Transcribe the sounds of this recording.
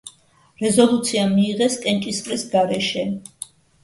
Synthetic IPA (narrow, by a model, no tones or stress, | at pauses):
ɾɛzɔlˠut̪sʰiamiːʁɛskʼɛnt͡ʃʼisqʼɾisɡaɾɛʃɛ